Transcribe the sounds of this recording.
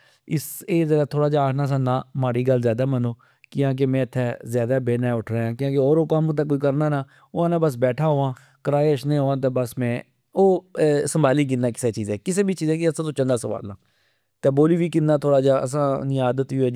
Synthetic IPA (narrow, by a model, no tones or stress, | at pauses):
ɪseːzaːd̪aːt̪ʰoːɽaːd͡ʒaːʈʰnaːs̬ãːnaːmaːɾiːɡəlzjaːd̪aːmənoː | kɪãːk̬emɛ̃ːɪt̪ʰːɛːzjaːd̪aːbeːnaːʊʈʰɾaːãːkɪãːk̬eɔːɾoːkamt̪̬ːkoːikəɾnaːnaː | ʊãːnãːbəs̬bɛːʈʰaːɦoːãː | kəɾaːeəʃnẽːɦoːãːt̪̬eːbəsmɛ̃ː | oːsəmbʱaːliːɡ̬ɪnːaːkɪ̥seːt͡ʃiːzẽːkɪsẽːbiːt͡ʃiːzẽːkeəsãːt̪õːt͡ʃə̃nd̪aːsəʋa̰ːlna̰ː | t̪eːboːliːbiːkɪnːaːt̪ʰoːɽaːd͡ʒaːə̰s̬ãːnɪaːd̪ət̪iɛ